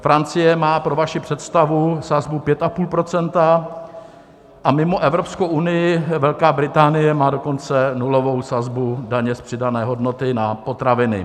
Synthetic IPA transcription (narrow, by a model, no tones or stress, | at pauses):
fɾant͡sɪjɛmaːpɾo̞vaʃɪpr̝̥ɛt̪st̪avusazbupjɛt̪apuːlpɾo̞t͡sɛnt̪a | ʔamɪmo̞ʔɛvɾo̞pskowʔunɪjɪvɛlkaːbɾɪt̪aːnɪjɛmaːdo̞ko̞nt͡sɛnulo̞vo̞wsazbudaɲɛspr̥ɪdanɛːɦo̞dno̞t̪ɪnapo̞t̪ɾavɪnɪ̰